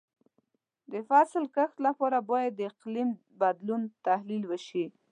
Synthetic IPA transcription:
d̪əfasɪlkəxt̪lapɑɾabɑjad̪ːəɪqlim | bad̪lunt̪ahlilwəʃi

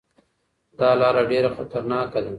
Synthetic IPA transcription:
d̪ɑːlɑːɾaɖeɾaxat̪aɾnɑkad̪a

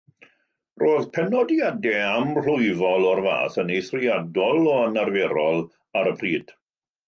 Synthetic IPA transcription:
roːðpʰɛnɔdjadɛamr̥ʊɨvɔlˠɔrva̰ːθənejθriadɔlˠɔənarvɛɾɔlˠ | aɾəpʰriːd̥

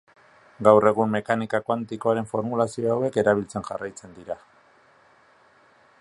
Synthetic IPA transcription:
ɡawre̞ɣumːe̞kanikakwant̪iko̞aɾe̞ɱfo̞ɾmulasio̞awe̞ke̞ɾaβ̞ilt͡se̞nʝa̰rajt͡se̞nd̪iɾa

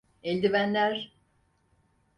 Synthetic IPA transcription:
elʲd̪ivænlʲæɾ

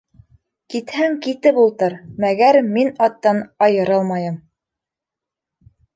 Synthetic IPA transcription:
kit̪hæŋkit̪ɘpulˠt̪ɤɾmæɡæɾminɑt̪ːɑnɑjɤ̆ɾɤlˠmɑjɤm

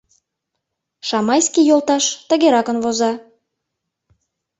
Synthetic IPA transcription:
ʃɑmɑjskijolˠt̪ɑʃt̪əɣeɾɑkənβozɑ

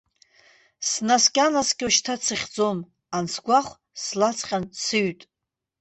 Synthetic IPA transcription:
snaskʲʼanasɡʲuʃtʰat͡sʰɨχʲd͡zo̞m | ansʰɡʷaχʷ | slat͡sʰqʲʼansɨɥtʼ

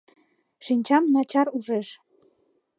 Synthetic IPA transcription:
ʃinʲt͡ɕɑmnɑt͡ɕɑɾuʒeʃ

